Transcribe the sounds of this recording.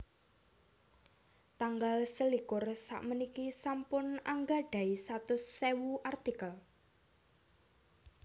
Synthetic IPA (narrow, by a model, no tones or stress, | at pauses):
t̪aŋɡalsəlikʊrsa̰ʔmənikisampʊna̰ŋɡaɖ̥a̤isat̪ʊsːewuʔart̪ikəl